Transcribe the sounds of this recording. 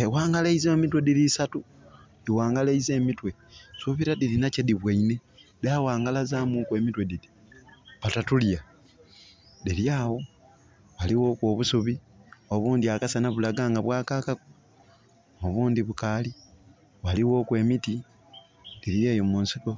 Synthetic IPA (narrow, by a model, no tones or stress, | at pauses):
ewaːŋɡaleizemitwe̞dilisatu | diwaːŋɡaleize̞ːmitwe̞suβiɾadiɾinacediβwaine̞dawaːŋɡalazaːmukwe̞ːmitwe̞didi | βatatulja | diljaːwo̞ | waliwo̞ːkwo̞ːβusuβi | oβuːndiakasanaβulaɡaːŋɡaβwaːkakaku | oβuːndiβukali | waliwo̞ːkwe̞ːmiti | d̥iɾieːjomuːnsiko̞